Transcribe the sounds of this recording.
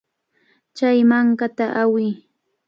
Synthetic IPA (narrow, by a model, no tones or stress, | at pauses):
t͡ʃajmaŋkat̪aʔawɪː